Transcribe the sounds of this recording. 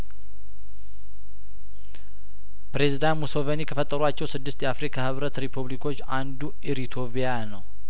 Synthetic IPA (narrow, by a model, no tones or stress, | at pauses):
pɾe̞zid̪anmusovenikʰəfət̪ʼːəɾuat͡ʃːɛwsɨd̪ːɨst̪jɛafɾikʰahɨβɾət̪ɾipʰuβlikʰo̞t͡ʃːand̪u | iɾit̪ʰo̞pijanəw